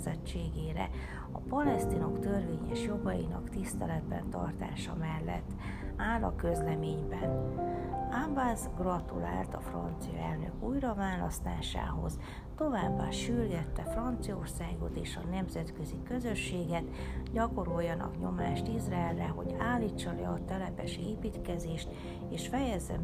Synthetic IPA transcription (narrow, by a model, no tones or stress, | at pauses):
zɛt͡ʃːeːɡeːɾɛ̰ | ɒpɒlɛst̪ino̞kt̪ørveːɲɛ̰ʃjo̞ɡɒjinɒkt̪ist̪ɛlɛd̪bɛ̰nt̪ɒ̰rt̪a̰ːʃɒmɛlːɛ̰t̪ːaːlɒkø̞zlɛmeːɲbɛn | abazɡrɒt̪ula̰ːlt̪ɒfrɒnt̪sijɒ̰ɛlnø̰kuːjrɒvaːlɒst̪aːʃa̰ːɦo̞̰z | t̪o̞vaːbːaːʃyrɡɛt̪ːɛfrɒnt̪sijɒo̞rsaːɡo̞t̪eːʃɒnɛmzɛt̪kø̞zikø̞zøʃːeːɡɛt̪ɟɒko̞ɾo̞jːɒnɒ̰kɲo̞maːʃt̪izraɛlːɛɦo̞ɟaːlːiːt͡ʃːɒlɛɒt̪ɛlɛpɛʃeːpiːt̪kɛzeːʃt̪ | eːʃfɛjɛzːɛ̰